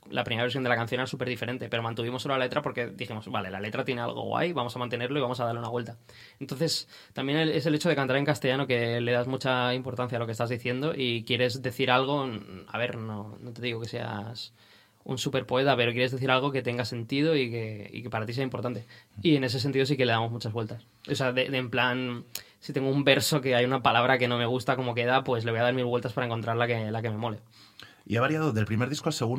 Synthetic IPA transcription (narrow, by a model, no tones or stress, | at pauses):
lʔapɾimeaβeɾs̬ond̪elakanθjo̞neasupe̞ɾðife̞ɾe̞nt̪e̞pe̞ɾo̞mant̪uβimosːo̞loalale̞t̪ɾapo̞ɾke̞ðiximo̞zbale̞la̰le̞t̪ɾat̪je̞ne̞a̰lɣo̰ɣwa̰jβamosamãnt̪ene̞ɾlo̞iβamo̞saðaɾleunaβwe̞lt̪a | ent̪o̞nθe̞s | t̪ambje̞neesele̞t͡ʃoð̞e̞kant̪aɾe̞ŋkast̪e̞ʝano̞ke̞le̞ðazmut͡ʃaimpo̞ɾt̪an̟θjalokest̪azðiθje̞nd̪o̞ʔikje̞ɾe̞zðe̞θiɾalɣ̞o̞a̰βe̞ɾno̞not̪e̞ðiɣo̞ke̞se̞a̰s | ṵnsupe̞ɾpo̞e̞t̪ape̞ɾo̞k̬jeɾezðe̞θiɾalɣ̞o̞ke̞t̪e̞ŋɡase̞nt̪iðo̞ike̞ḭkepaɾat̪is̬e̞aimpo̞ɾt̪ant̪eie̞ne̞s̬e̞s̬ent̪iðo̞sike̞le̞ð̞amo̞zmut͡ʃazβwe̞lt̪as | oseaðeemplan | sit̪e̞ŋɡoumbe̞ɾso̞ke̞ajunapalaβ̞ɾʔake̞no̞me̞ɣ̞ust̪ako̞mo̞ke̞ðapwe̞sleo̞jað̞aɾmilβwlt̪aspaɾae̞ŋko̞nt̪ɾaɾlakelake̞mẽ̞mo̞le̞ | ḭeβaɾjaðoðelpɾime̞ɾðiskoalseɣu